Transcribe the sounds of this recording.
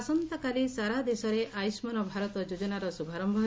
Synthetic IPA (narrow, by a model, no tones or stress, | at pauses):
sɔnt̪ɔkalisaɾad̪esɔɾeʔajsmanɔbʱaɾɔt̪ɔd͡ʒud͡ʒɔnaɾɔsubʱaɾɔmbʱɔ